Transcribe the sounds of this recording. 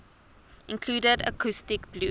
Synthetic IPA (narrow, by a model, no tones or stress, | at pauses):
ɪ̃nkʰl̥uːdədə̰kʰustɪkbluː